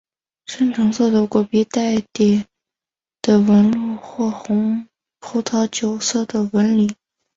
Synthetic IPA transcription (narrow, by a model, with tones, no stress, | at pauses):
ʂə˥nʈ͡ʂʰɤ˧˥ŋsɔ˥˩t̪ɤ˧˥kɔ˥˩pi˧˥t̪a˥˩ɪt̪jɛ˨˩ | d̪̥ə˨wə˧˥nlu˥˩xwɔ˥˩xʊ˧˥ŋ | pʰu˧˥t̪ʰɑ˧˥t͡ɕjo˧˩ʊsɤ˥˩d̪ə˩wə˧˥nli˨˩˦